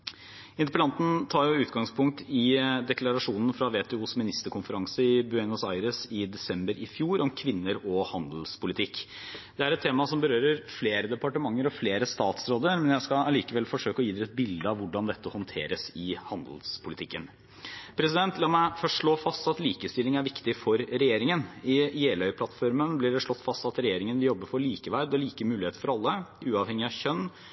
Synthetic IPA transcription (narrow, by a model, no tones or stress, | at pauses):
ɪnt̪əpʰəlɑnt̪n̩t̪ʰɑːjʊʉːt̪ɡɑŋspʰʊŋk̚t̪ɪd̪ɛklɑɾɑʂuːnən̩fɾɑʋeːt̪ʰɛuːsmɪnɪst̪əɾkʊnfəɾɑŋsəɪbʉɛnʊsɑɪɾəsɪd̪ɛsɛmbəɾɪfjuːɾɔmkʰʋɪnːəɾɔhɑnd̪l̩spʰʊlɪt̪ʰɪkː | d̪̥ɛæɾɛt̪t̪ʰːeːmɑsɔmbəɾøːɾəɾfleːɾəd̪ɛpɑʈəmɑŋːəɾɔfleːɾəst̪ɑːt̪sɾoːd̪əɾmɛnjæɪskɑɑliːkəʋɛlfɔʂøːkɔjiːd̪ɛɛt̪̚bɪld̪əɑʋʊɖɑnd̪ɛt̪ːəhɔnt̪ʰḛːɾəsɪhɑnd̪l̩spʰʊlɪt̪ɪkːən | pʰɾɛsɪd̪ɛnt̪ʰlɑːmæɪfœʂʈʂɭoːfɑst̪ɑt̪liːkəst̪ɪlːɪŋæɾʋɪkt̪ɪfɔɾɾɛjeːɾɪŋənɪeːlœʏpʰlɑt̪ːfɔɾmənblɪɖɛʂɭɔt̪ːfɑst̪ɑt̪ɾɛjeːɾɪŋənʋɪljɔbːəfɔɭiːkəʋæɾd̪ɔɭiːkəmʉːlɪeːt̪əɾfɔɾɑlːəʉːɑʋhɛŋɪɑçœnː